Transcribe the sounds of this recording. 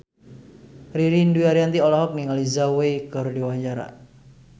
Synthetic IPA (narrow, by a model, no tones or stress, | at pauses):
riɾinduiaɾiant̪iɔlɔɦɔk̚niŋalizawejkɨrdiwad͡ʒaɾa̰